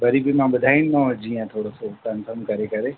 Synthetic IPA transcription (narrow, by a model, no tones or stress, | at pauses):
bɐɾibʱimãɓɐd̪ʱaːinɪmãʋɐd͡ʒiːãt̪ʰoːɽosotənfʰəɾmkɐɾekɐɾe